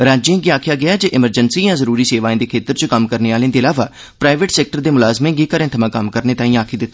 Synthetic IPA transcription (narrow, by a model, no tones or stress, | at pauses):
ɾaːd͡ʒẽːɡiaːkʰjaːɡɪaːd͡ʒeʔɪməɾd͡ʒənsiːjãːzəɾuːɾiːseːʋaːẽːd̪eːkʰeːt̪əɾt͡ʃəkəmkəɾneːaːlẽːd̪eːəlaːʋaː | pɾaːɪʋeʈsɛːk̚ʈəɾd̪eːmʊlaːzmẽːɡiːkəɾẽːt̪ʰəmãːkəmkəɾneːt̪aːĩaːkʰiːd̪ɪt̪ːa